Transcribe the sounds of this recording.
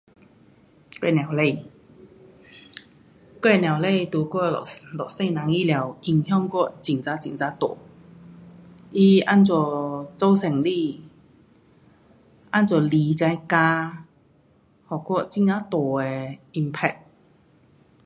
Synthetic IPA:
kɔ˥˧˨nja˨˩wle˥˩˨ | kwɛ˧˩˨nja˨˩wle˥˧jt̪u˨˩kɔ˥˨lɔ˨˩k̚se˥˧jna˨˦ŋi˥˩lja˨˩˦wʔi˧˩ŋhjɔ˥˧ŋkɔ˥˩t͡ɕi˨˩ŋt͡sa˧˥t͡ɕi˨˩ŋt͡sa˧˥t̪ɔ̰˨˩ | ʔi˧a˥nt͡sɔ˧˩t͡so˥wse˨˩ŋli˥˧˨ | ʔa˥nt͡sɔ˨˩li˨˦t͡ɕa˧˥˦jkaː˧ | hɔ˨˩kɔ˥˩t͡ɕi˧˥ŋka˧˥t̪ɔ˨˩ɛ˨˧i˧mpʰɛ̰˧˩k̚

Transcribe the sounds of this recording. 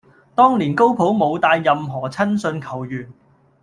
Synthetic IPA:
t̪ɔː˥ŋliː˨˩nko˥wpʰo˨˥wmo˨˧wt̪aː˧jːɐ˨mɦɔː˨˩t͡sʰɐ˥nsɵ˧nkʰɐ˨˩wjyː˨˩n

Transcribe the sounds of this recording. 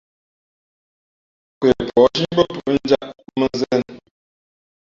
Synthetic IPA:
ke˨pʰɔ˨˦ʃi˦ɲbə˦pu˨ʔn̩˦d͡ʒa˦ʔmə˦zə˦˨n

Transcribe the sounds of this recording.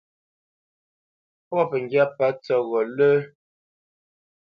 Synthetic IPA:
pwɔ˦˨pə˨ŋɡja˦pa˨˦t͡sɔ˦ɣɔ˨lə˦

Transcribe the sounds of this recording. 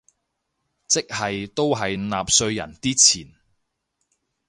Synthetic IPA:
t͡sɪ˥k̚hɐ˨jt̪o˥wɦɐ˨jnaː˨p̚sɵ˧ɥjɐ̰˨˩nt̪iː˥t͡sʰiː˨˩n

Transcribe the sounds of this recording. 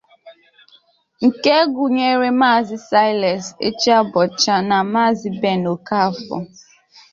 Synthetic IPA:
ŋ̩˨ke˦ɡu˨ɲe˦ɾe˦ma˦˨zɪ˦sa˦ɪ˦lɛ˨sḛ˦t͡ʃi˦a˦bɔ˨t͡ʃa˦na˨maː˦˨zi˦be˦˨no˨ka˦˨fɔ̰˨

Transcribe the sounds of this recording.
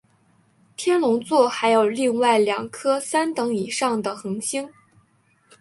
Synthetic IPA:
t̪ʰjɛ˥nlʊ˧˥ŋt͡swɔ˥˩xa˧˥ɪjo˨˩ʊli˥˧ŋwa˥˩ɪljɑ˨˩ŋkʰɤ˥sa˥nt̪ɤ˧˥ŋi˨˩ʂɑ˥˩ŋd̪ə˩xɤ˧˥ŋɕi˥ŋ

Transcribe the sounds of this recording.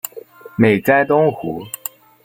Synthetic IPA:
me˨˩ɪt͡sa˥ɪt̪ʊ˥ŋxu˧˥˦

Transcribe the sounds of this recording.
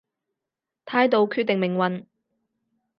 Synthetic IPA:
t̪ʰaː˧jt̪o˨˧wkʰyː˧t̪̚ːɪ˨ŋmɪ˨˩ŋwɐ˨˧n

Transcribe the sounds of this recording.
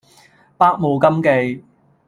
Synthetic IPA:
paː˥k̚mo˨˧wkɐ˥mke˧j

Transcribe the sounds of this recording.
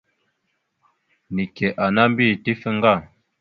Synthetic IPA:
ni˨kɛ˨ʔa˨na˦m˦bi˦˨ti˦fə˦ŋ˦ɡa˦˨

